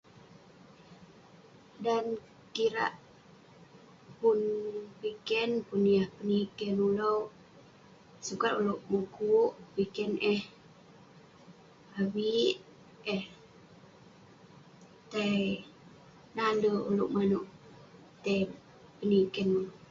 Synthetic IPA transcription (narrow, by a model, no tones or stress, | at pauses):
dan | kiɾa̰ʔ | punwikɛnpunjahpənikɛnula | sukat̪uloʔmukuʔwikɛnɛh | awiʔ | ɛh | t̪aj | nandəuluʔmanuʔ | t̪ə | pənikɛnul